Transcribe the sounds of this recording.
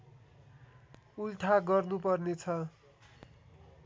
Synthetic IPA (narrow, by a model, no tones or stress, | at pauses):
ult̪ʰaɡʌrnupʌrnet͡sʰʌ